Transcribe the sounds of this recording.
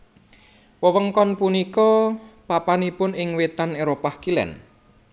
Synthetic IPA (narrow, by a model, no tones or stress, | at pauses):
wəwəŋkɔnpunikɔpapanipʊnɪŋwet̪aneɾopahkilɛ̰n